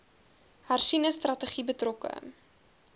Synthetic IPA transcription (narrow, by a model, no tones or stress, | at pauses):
harsinəstrɐtəχibətrɔkə̰